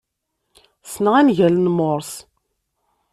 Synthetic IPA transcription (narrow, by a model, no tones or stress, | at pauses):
snəʁænʝælənmoɾˤs